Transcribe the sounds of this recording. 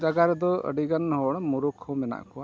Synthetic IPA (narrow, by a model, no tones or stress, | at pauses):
d͡ʒaɡaɾd̪ɔə̰ɖiɡanhɔɽmuɾukʰːɔmɛna̰ʔkɔwa